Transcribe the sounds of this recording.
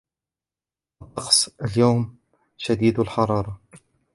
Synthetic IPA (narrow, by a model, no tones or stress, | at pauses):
ʔɑt̪ˤːɑqsˤəljawm | ʃad̪iːd̪lħɑɾˤɑːɾˤɑ